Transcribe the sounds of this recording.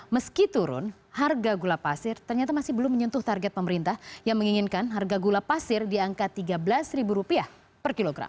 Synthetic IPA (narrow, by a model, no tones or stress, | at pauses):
məskit̪uɾʊ̰n | harɡaɡulapasɪrt̪ərɲat̪amasɪhbəlʊmːəɲɔnt̪ʊht̪arɡɛt̪̚pəməɾint̪ahjaŋməŋiŋɪnkanɦarɡaɡulapasɪrdiaŋkat̪ːiɡabəlasribuɾupiah | pərkiloɡɾa̰m